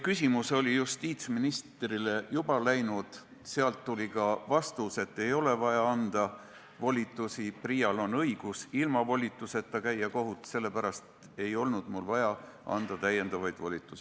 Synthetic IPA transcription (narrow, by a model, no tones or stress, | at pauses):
kysʲimuso̞lʲijust̪iːt̪sminist̪rile̞jub̥ɑlæjnud̪̥ | seɑlt̪ːulʲikɑvɑst̪use̞t̪ːe̞jo̞le̞vɑjɑɑnd̪̥ɑ | vo̞lʲit̪ːˑusiprijɑlo̞nɤjɡ̥usilmɑvo̞lʲit̪ːˑuse̞t̪ːɑkæjːɑko̞ɦut̪ːˑse̞lːe̞pæɾɑst̪ | e̞jo̞lnud̪̥mulvɑjɑ | ɑ̰nd̪̥ɑt̪æjːe̞nd̪̥ɑvɑjd̪̥volʲit̪ːˑusi